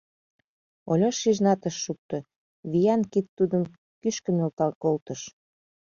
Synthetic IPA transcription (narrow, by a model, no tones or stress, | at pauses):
olʲoʃːiʒnɑt̪əʃːuk̚t̪o | βijɑnkit̪ːud̪əm | kyʃkə̆nolɑkolt̪əʃ